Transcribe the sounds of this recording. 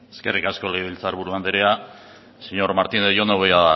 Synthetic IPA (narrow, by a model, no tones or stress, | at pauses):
eske̞̰rikasko̞leɣβilt͡saɾβuɾuand̪eɾea | siɲo̞ɾmaɾt̪ineðʝonoβejaa